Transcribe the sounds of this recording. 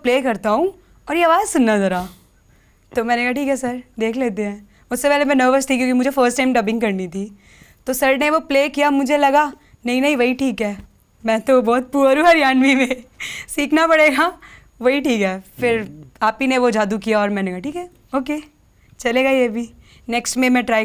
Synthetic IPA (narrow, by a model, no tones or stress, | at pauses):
pleːkɐɾt̪aɦũ | ɔːɾjeɐʋaːzsʊnːazɐɾaː | t̪oːmɛ̃ːnekaʈiːkɦɛsɐɾd̪eːkʰleːt̪̬eɦɛ̃ː | ʊsːepɛːlemɛ̃nəːʋəɾst̪ikjõːkimʊd͡ʒʱefəːɾsʈaːɪmʈɐbɪ̃ŋɡkɐɾnit̪ʰi | t̪oːsɐɾɖneʋopleːkijamʊd͡ʒʱelɐɡa | nɐɦĩnɐɦĩʋɐɦiʈʰiːkɦɛː | mɛ̃ːt̪obɔːt̪̚puːɾuɐɾjaːnʋimẽsiːkʰnapɐɽeːɡa | ʋɐɦiʈiːkɦɛːfɪɾaːpineʋod͡ʒaːd̪ukijaɔːɾmɛ̃ːnekaʈiːkɦɛː | oːkeː | t͡ʃɐleːɡajebʱiː | nɛːksʈmẽmɛ̃ʈɾaː